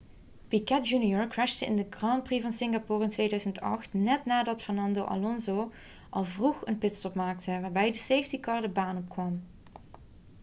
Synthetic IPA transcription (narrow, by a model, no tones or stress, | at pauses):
pikɛd̚d͡ʒunjɔɹkɹɛʃtəɪ̰ndəɡrɑmprivɑnsɪŋɡapuːrɪntʋeːjdœɥzəntɑ̰χtnɛtnaːdɑtfɛɹnɑndowʔa̰lɔnzow | ʔɑlˠvruχənpɪtstɔpmaːk̚təʋaːɹbɛjdəsejftikɑɹdəbaːnɔpkʋɑm